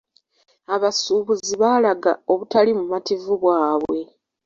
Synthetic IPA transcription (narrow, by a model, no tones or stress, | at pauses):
aβasuːβuziβaːlaɡa̰o̞βutalimumativuβwaːβwwe̞